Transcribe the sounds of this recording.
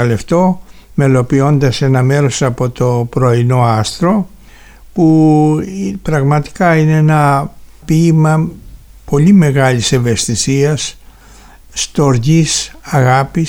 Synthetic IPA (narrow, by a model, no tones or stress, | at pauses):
ɐle̞ft̪o̞ | me̞lo̞pio̞nd̪ɐse̞nɐme̞ɾo̞sɐpo̞t̪o̞pɾo̞ino̞ɐst̪ɾo̞ | pu | pɾɐɣmɐt̪i̥kɐineenɐpimɐ | po̞lime̞ɣɐlise̞ve̞st̪isiɐsː | t̪o̞ɾʝisɐɣɐpi